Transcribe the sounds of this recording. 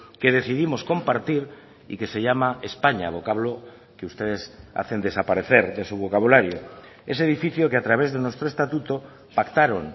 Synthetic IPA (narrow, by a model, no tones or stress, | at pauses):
keðeθiðimosko̞mpaɾt̪iɾ | ḭkeseʎamaespaɲa̰βokaβ̞lo | keust̪eðesa̰θe̞nd̪e̞sapaɾeθeɾðesuβokaβulaɾjo | es̬eðifiθjokeat̪ɾaβ̞ezðenwest̪ɾoest̪at̪ut̪o | pakt̪aɾoŋ